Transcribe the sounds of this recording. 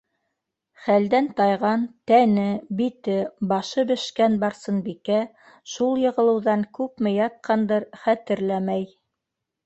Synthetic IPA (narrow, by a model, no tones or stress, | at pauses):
χæld̪ænt̪ɑjʁɑnt̪ænɘbit̪ɘbɑʃɤbɘ̆ʃkænbɑɾsɤnbikæ | ʃulˠjɤ̆ʁɤ̆lˠɤ̆wðɑŋkʉpmɘjɑt̪̚qʰɑnd̪ɤɾχæt̪ɘ̆ɾlæmæj